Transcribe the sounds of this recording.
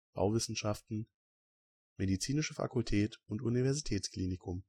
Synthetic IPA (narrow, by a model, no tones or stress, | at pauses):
b̥a̰ʊvɪsn̩ʃaftn̩ | medit͡siːnɪʃəfa̰kʊltʰɛːtʊntunivɛɐzitʰɛːt͡skl̥iːnɪkʰʊm